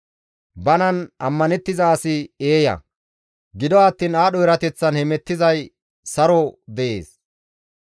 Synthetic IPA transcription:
bɐnɐnɐmːɐnɛt̪ːɪzaːsɪeːjɐ̰ | ɡɪd̪ɔɐt̪ːiːnaːɗɔɪɾɐt̪ɛt͡sːɐnhɛmɛt̪ːɪzɐj | sɐɾɔd̪ɛʔḛːs

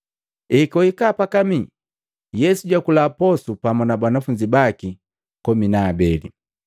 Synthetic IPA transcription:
ɛkɔikapakami | jɛsuɟwakulapɔsupamanabanafuɲd͡ʒibaki | kɔminaːbɛlḭ

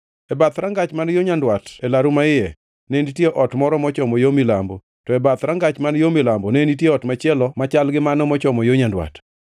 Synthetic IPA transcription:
ɛbat̪ɾaŋɡat͡ʃmanjoɲandwatɛlaɾumaɪjɛ | nenitjeʔɔtmɔɾɔmɔt͡ʃɔmɔjomilambɔ | tɔɛbat̪ɾaŋɡat͡ʃmanjomilambɔnɛenitjeɔtmat͡ʃɛlɔmat͡ʃalɡɪmanɔmɔt͡ʃɔmɔjoɲandwa̰t

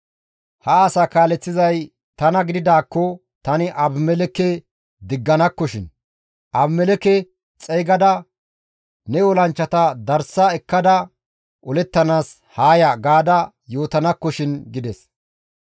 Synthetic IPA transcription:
hɐːsaːkaːlɛt͡sːɪzɐj | t̪ɐnɐɡɪd̪ɪd̪aːkːɔ | t̪ɐnɪʔɐbmɛlɛkɛ | d̪ɪɡːɐnɐkːɔʃɪn | ʔɐbmɛlɛkɛ | t͡sʼɛjɡɐd̪ɐ | nɛɔlɐnt͡ʃːɐt̪ɐd̪ɐɾsɐɛkːɐd̪ɐ | ʔɔlɛt̪ːɐnaːs | haːjɐɡaːd̪ɐ | jo̞ːt̪ɐnɐkːɔʃɪnɡɪd̪ɛs

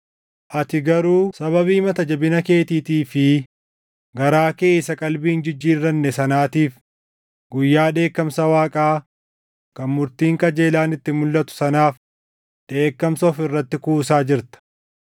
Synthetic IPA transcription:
ʔɐt̪ɪɡɐɾuːsɐβɐβiːmɐt̪ɐd͡ʒɐbɪnɐke̞ːt̪iːt̪iːfɪ | ɡɐɾaːke̞ːsɐkʼɐlbiːnd͡ʒɪd͡ʒːiːɾːɐnːɛsɐnaːt̪iːf | ɡʊjːaːᶑe̞ːkːɐmsɐwaːkʼaː | kɐnmʊɾt̪iːŋkɐd͡ʒe̞ːlaːnɪt̪ːɪmʊlːɐt̪ʊ̥sɐnaːf | ᶑ̪̥e̞ːkːɐmsɔːfɪrːɐt̪ːɪkuːsaːd͡ʒɪɾt̪ɐ̥

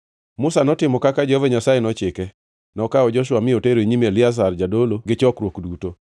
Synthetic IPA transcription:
mʊsanɔtɪmɔkakad͡ʒɔveɲasajenɔt͡ʃɪkɛ | nɔkaɔd͡ʒɔʃʊwamɪoteɾoiɲimelɪas̬ard͡ʒadoloɡɪt͡ʃɔkɾwokduto

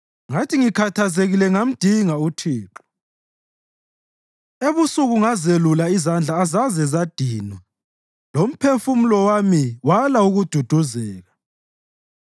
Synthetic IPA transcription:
ŋatʰiŋikʰatʰazeɣilɛŋam̩d̥ʱiŋautʰiːǁɔ̥ | eβusuɣuŋazelulaizand͡ɮʱaːzazɛzad̥ʱinwa | lom̩pʰefum̩lɔwamiwalauɣud̥ʱud̥ʱuzɛːɣa

